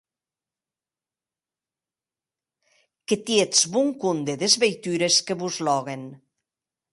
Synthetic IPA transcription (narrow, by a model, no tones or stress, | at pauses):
ket̪jet͡sβuŋkund̪eðezβejt̪yɾeskeβuzlɔɣen